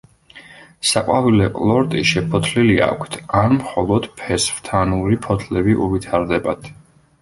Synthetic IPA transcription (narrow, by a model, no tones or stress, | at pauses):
saqʼwavilɛqʼlˠɔɾt̪ʼiʃɛpʰɔt̪ʰlilia̰kʷʰt̪ʰaɾmχɔlˠɔd̪̥pʰɛsvt̪ʰanuɾipʰɔt̪ʰlɛbiʔuvit̪ʰaɾd̪ɛbad̪̥ʰ